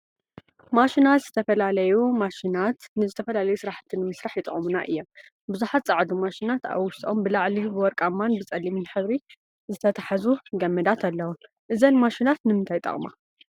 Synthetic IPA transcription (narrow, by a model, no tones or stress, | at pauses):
maʃinat̪zɨt̪ʰɐfɐlalɐjumaʃinat̪nɨzɨt̪ʰɐfɐlalɐjusɨɾaħt̪ʰːɨnɨmɨsɾaħjɪt̪ʼɨχʼmuna̰ʔɨ̰jːom | bɨzuħat̪̚t͡sʼaʕd̪umaʃinat̪a̰βwʊʃt̪ʼʔombɨlaʕlibɨwɔɾkʼamːanbɨt͡sʼɐlːimɨnħɨβɾi | zɨt̪ʰɐt̪ʰḁħazuɡɐmːɨd̪at̪ʰalːɐwu | ʔɨzɐnmaʃinat̪nɨmɨnt̪ʰajt̪ʼɐ̰χʼma̰